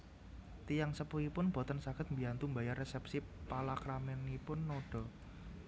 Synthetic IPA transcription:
t̪ijaŋsəpuipʊnb̥ɔ̤t̪ənsaɡ̥ɪt̪̚mbiant̪umbajarːesɛpsipalakɾamɛnːipʊnːoɖ̥ɔ̤

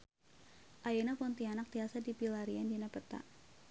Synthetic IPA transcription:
ʔajenapɔnt̪ianak̚t̪iasadipilaɾiandinapət̪a̰

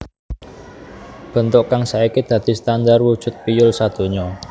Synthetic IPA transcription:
b̥ə̤nt̪ʊʔkaŋsaikid̪̥ä̤d̪̥i̤st̪and̪arwud̥ʒ̥ʊ̤t̪̚pijʊlsad̪̥o̤ɲɔ

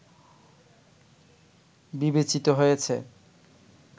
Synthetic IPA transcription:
bibet͡ɕit̪oɦojet͡ɕʰe

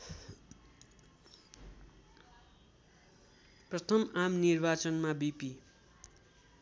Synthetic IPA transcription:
prʌt̪ʰʌmamnirbat͡sʌnmabipi

